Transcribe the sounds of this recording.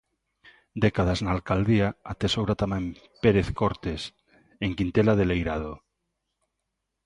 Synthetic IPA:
d̪ekað̞aznaːlkald̪iaat̪esowɾat̪amam | peɾeθkoɾt̪es | eŋkint̪elaðelejɾað̞o

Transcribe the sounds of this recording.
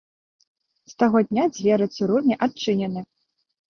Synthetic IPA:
st̪aɣɔd̪ʲnʲad͡zʲvʲɛɾɨt̪sɨɾunʲiʔat͡ʂɨnʲɛnɨ

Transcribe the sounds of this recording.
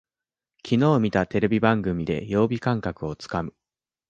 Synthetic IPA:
kʲʰino̞ːmʲit̪at̪e̞ɾe̞bʲibãŋɡɯ̟mʲid̪e̞̰jo̞ːbʲikãŋkakɯ̟o̞t͡sɨ̥kamɯ̟

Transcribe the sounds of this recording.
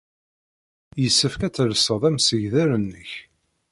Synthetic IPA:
jəsːəfkæt͡sːləsəðˤæmsəʝðæɾənːəç

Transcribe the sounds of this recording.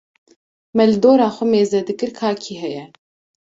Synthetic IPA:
mɛlɨd̪oːɾaːxʷɛmeːzɛd̪ɨkɨɾkʰaːkʰiːɦɛjɛ

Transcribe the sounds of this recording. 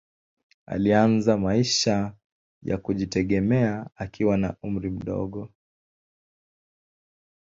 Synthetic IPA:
a̰lianzamaiʃa | ja̰kuʄitɛɠɛmɛaakʰiwana̰um̩ɾim̩ɗɔ̰ɠɔ

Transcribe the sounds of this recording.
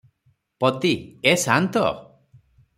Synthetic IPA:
pɔt̪iesant̪ɔ̰

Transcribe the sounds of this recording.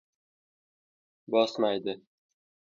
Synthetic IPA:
bɒsmajd̪ɪ

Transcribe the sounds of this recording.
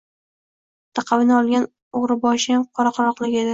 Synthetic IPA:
t̪ʰɑqʰɑvɪnɪɒlˠɡʲan | oʁɾɪbɒʃɪjamqʰɒɾɑqʰɑɾɒqlˠɪɡʲe̞d̪ɪ

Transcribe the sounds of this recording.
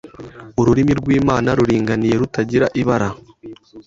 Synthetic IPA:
uɾuɾimiɾɡwiːmaːnaɾuɾiːŋɡanije̞ɾutaɟiɾaʔiβaɾa

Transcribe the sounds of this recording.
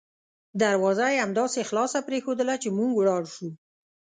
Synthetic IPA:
d̪aɾwɑzajeamd̪ɑsexlɑsapɾexod̪əlat͡ʃemuŋɡwɽɑɽʃu

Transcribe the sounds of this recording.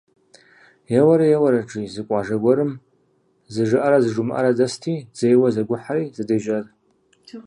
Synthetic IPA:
jɛwɐɾɐjɛwɐɾɐʈ͡ʂʼizɨkʷʼɑʒɐɡʷɔɾɨm | zɨʒɨʔɐɾɐzɨʐʊmʔɐ̰ɾɐdɐstʰiːz̥ejwɐzɐɡʷʊħaɾiːzɨdeʒɐr

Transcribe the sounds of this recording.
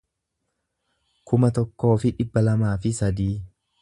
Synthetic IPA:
kʰʊmɐt̪ɔkːo̞ːfɪᶑɪbːɐlɐmaːfɪsɐd̪iː

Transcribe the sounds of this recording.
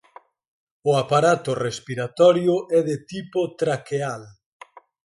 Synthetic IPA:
ʊapaɾat̪ʊrespiɾat̪ɔɾjʊʔɛðet̪ipʊt̪ɾakeal

